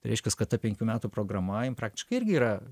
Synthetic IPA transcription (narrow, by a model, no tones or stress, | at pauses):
t̪ɐɪɾʲɛɪʃʲkʲɛskɐt̪t̪ɐpʲɛŋʲkʲuːmʲæːt̪uːpɾoːɡɾɐmɐjɪmpɾɑːk̚t̪ʲɪ̥ʃkɐɪɪrʲɡʲɪiːɾɐ